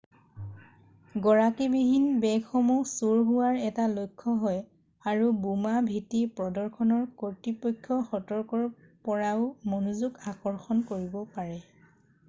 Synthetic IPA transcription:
ɡɔɹakibiɦinbɛɡʰɔmusuɹɦuwaɹɛtalojkʰːɔɦɔj | aɹubumabʱitipɹɔdɔɹkʰɔnɔɹkɔɹtipɔjkʰːɔxɔtɔɹkɔɹ | pɔɹaʊmonuzuɡakɔɹxɔnkoɹibɔpaɹɛ

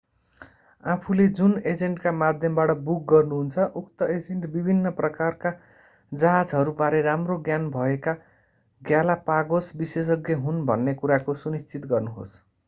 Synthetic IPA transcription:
apʰuled͡zuned͡zeɳʈkamad̪ʱjʌmbaʈʌbuk̚ɡʌrnuɦunt͡sʰʌʔukt̪ʌed͡zeɳʈbibʱinːʌprʌkarka | d͡zʌɦad͡zɦʌɾubaɾeɾamroɡjanbʱʌeka | ɡjalapaɡosbises̬ʌɡjʌɦunbʱʌnːekuɾakosunist͡sit̪ɡʌrnuɦo̰s

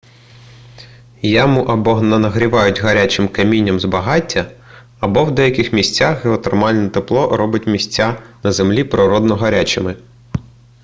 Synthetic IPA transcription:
jamʊʔɐbɔnɐnɐɦɾʲiʋɑjʊtʲɦɐɾʲat͡ʃɪmkɐmʲinʲːɐmzbɐɦɑtʲːɐː | bɔwd̪ɛjɐkʲɪxmʲisʲt͡sʲːaxɦeɔt̪ɔrmɑlʲnɔt̪eplˠɔɾɔbʊtʲmʲisʲt͡sʲːanɐzemlʲipɾɔɾɔd̪nɔɦɐɾʲat͡ʃɪmɪ

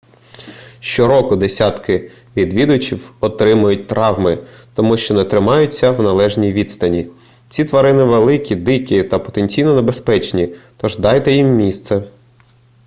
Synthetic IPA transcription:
ʃt͡ʃɔɾɔkʊd̪esʲɑt̪kɪ | ʋʲid̪ʋʲid̪ʊt͡ʃʲiwɔt̪ɾɪmʊjʊt̚ʲt̪ɾɑwmɪt̪ɔmuʃt͡ʃɔnɛt̪ɾɪmɑjʊt͡sʲːɐwnɐlˠɛʒnʲijʋʲid̪st̪ɐnʲi | t͡sʲit̪ʋɐɾɪnɪʋelˠɪkʲid̪ɪkʲit̪ɐpɔ̥t̪enʲt͡sʲijnɔnebespɛt͡ʃnʲit̪ɔʒd̪ɑjt̪ɛjimːʲist̪sɛ

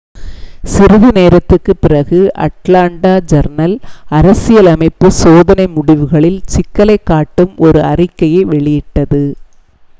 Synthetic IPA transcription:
sɪɾɯðɯneːɾɐt̪ːɯkːɯpːɪrɐɣɯʔɐ̰ʈlaːɳɖaːd͡ʒɐɾnɐlɐɾɐsɪjɐlɐmɐɪpːɯsoːðɐnɐɪmʊɽɪʋɯɣɐɭɪlt͡ʃɪkːɐlɐɪkːaːʈːɯmɔɾɯɐrɪkːɐjɐɪʋɛɭɪjɪʈːɐðɯ

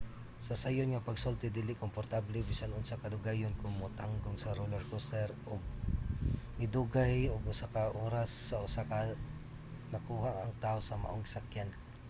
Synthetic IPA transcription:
sɐsajonŋɐpɐɡsolt̪ɪd̪ɪlɪkompoɾt̪ablɛbɪsalʊnsakɐd̪ʊɡajonkʊŋmot̪aŋɡoŋsɐɾulɐɹkost̪ɛɾʔoɡ̚ | ŋɪd̪uɡajoɡʊsakɐʔoːɾasːɐʔʊsakɐ | nɐkuːhaʔɐŋt̪ahosɐma̰ʔoŋsakjan

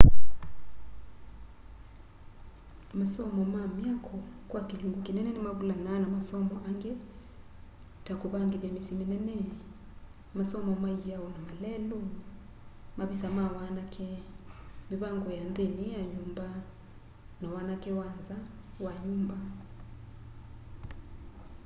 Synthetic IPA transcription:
masɔmɔmamjakʰɔkwakiluŋɡukinɛnɛnɛmaβulananamasɔmɔʔaŋɡe | takuβaŋɡiβamisiminɛnɛ | masɔmɔmaijaɔnamalɛlɔ | maβisamawanakʰɛ | miβaŋɡɔjandenijaɲumba | nawanakɛwanza | waɲumba

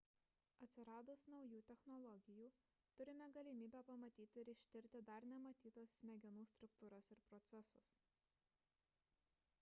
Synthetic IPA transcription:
ɐt̪ʲsʲɪɾɑːd̪ʊsnɒʊjuːt̪ʲɛxnɔlˠɔɡʲɪjuː | t̪ʊɾʲɪmʲɛɡɐlʲimʲiːbʲɛpɐmɐt̪ʲiːt̪ʲɪɪɾɪʃʲt̪ʲɪɾʲt̪ʲɪd̪ɐɾnʲɛmɐt̪ʲiːt̪ɐsʲmʲɛɡʲɪnuːst̪ɾʊkt̪uːɾɐsɪɾpɾɔt̪sʲɛsʊs

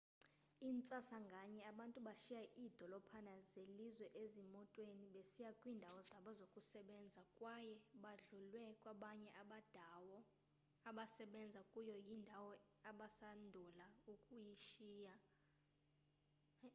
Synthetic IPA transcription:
iːnt͡sʼasaŋɡʱaɲɛaɓantʼuɓaʃijaʔiːd̥ʱɔlɔpʰanazelizwɛʔezimɔtʼweniɓesijakʼwiːndʱawɔzaɓɔzokʼusɛɓɛnd͡zʱakʼwajɛɓaɮulwɛkʼwaɓaɲɛʔaɓad̥ʱawɔ | aɓasɛɓɛnd͡zʱakʼujɔjindʱawɔ | aɓasandʱulaukʼujiʃiːja

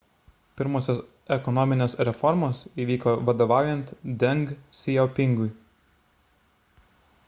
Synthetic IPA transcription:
pʲɪɾmoːsʲoːs | ɛkɔnɔmʲɪnʲeːsɾʲɛfɔɾmoːsiːʋʲiːkoːʋɐd̪oːʋɑˑʊjɛnt̪d̪ʲɛŋɡsʲɪjɛʊpʲɪŋɡʊɪ

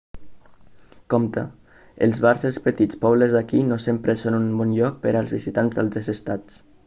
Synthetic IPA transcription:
kɔmt̪ə̰ | əlˠzβaɾsespət̪it͡spɔβləzðakinosempɾəsonunbɔnʎɔk̚pəɾalˠzβizit̪anzðalˠt̪ɾəzəst̪at͡s

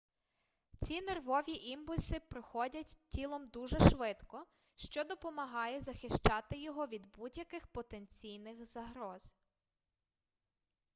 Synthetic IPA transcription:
t͡sʲinerʋɔʋʲiʔimpʊlʲsɪpɾɪxɔdʲɐtʲtʲilˠɔmd̪uʒɛʃʋɪt̪kɔ | ʃt͡ʃɔd̪ɔpɔmɐɦɑjɛzɐxɪʃt͡ʃɑt̪ɪjɔɦɔʋʲid̪budʲjɐkɪxpɔt̪ent͡sʲijnɪxzɐɦɾɔz

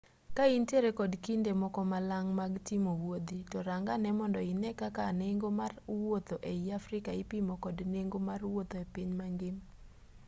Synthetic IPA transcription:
kainteɾekɔdkindemɔkɔmalaŋmaɡtimowod̪itɔɾaŋɡanɛmɔndɔinɛkakaneŋɡomarwot̪oʔeiafɾɪkaɪpimokɔdneŋɡomarwot̪oepiɲmaŋɡɪm

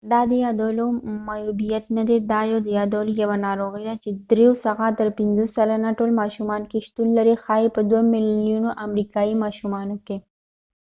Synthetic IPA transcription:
d̪aːd̪ejaːd̪oːlomajuːbijɐt̪nɐd̪ed̪aːjoːd̪ejaːd̪oːljɐʋanaːɾoːɣid̪at͡ʃed̪ɾeosɐɣaːd̪ɐɾpinzosɐlanaʈoːlmaːʃumaːnkeʃt̪unlɐɾexaːipɐd̪wɐmɪlijunoʔɐmɾikaːimaːʃumaːnoke

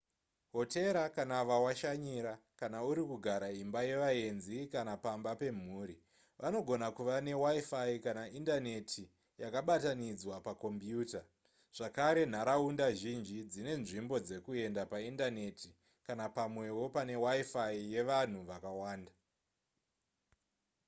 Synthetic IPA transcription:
ɦo̞te̞ɾakanaʋawaʃaɲiɾakanauɾikuɡʱaɾaimbaje̞ʋaɦe̞nzikanapambape̞m̤uːɾi | ʋano̞ɡʱo̞nakuʋane̞waifaikanaʔindane̞tʰi | jakaɓatanid͡zwapako̞mpjuːta | ʐ̥akaɾe̞n̤aɾaundaʒind͡ʒid͡zine̞nʐimbo̞d͡ze̞kue̞ndapaindane̞ti | kanapamwe̞wo̞pane̞waifaije̞ʋan̤uʋakawaːnda

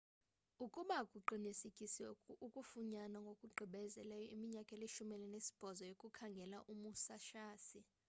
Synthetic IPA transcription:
ukʼuɓakʼuǃinisikʼisɛukʼufuɲanaŋɡʱokʼuɡ͡ǃʱiɓɛzɛlɛjɔimiɲakʼɛleʃumɛlɛnesi̥b̥ʱɔzɔjokʼukʰaŋɡʱɛlaʔumusaʃaːsi

